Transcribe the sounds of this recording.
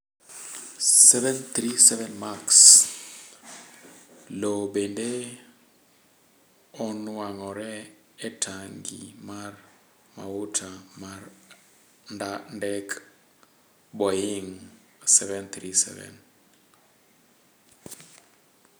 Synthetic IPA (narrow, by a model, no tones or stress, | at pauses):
sɛvɛnt̪ɾisɛvɛnmaks | lobende | ɔnʊaŋɔɾɛː | tʰaŋɡḭmar | ma̰utʰamaɾ | ndandɛk | bɔjɪŋ | sɛvɛnt̪ɾisɛ̰vɛ̰n